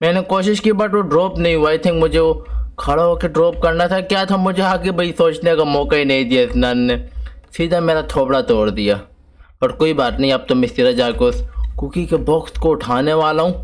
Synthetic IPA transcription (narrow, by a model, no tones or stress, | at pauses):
mɛ̃ːnekoːʃɪʃkibɐʈʋoɖɾoːpnɐɦĩɦuaːjt̪ʰɪ̃ŋkmʊd͡ʒʱeokʰɐɽaɦoːkeɖɾoːp̚kɐɾnat̪ʰakjaːt̪ʰamʊd͡ʒʱeaːkebɐisoːt͡ʃnekamɔːkaɦinɐɦĩd̪iaɪsnanːesiːd̪ʱameːɾat̪ʰoːbɽat̪ɔːɽd̪ijaː | pɐʈkoːibaːt̪nɐɦĩɐb̚t̪omɪ̃siɾad͡ʒaːkoskukikebɔxt̪koʊʈʰaːneʋaːlaɦũː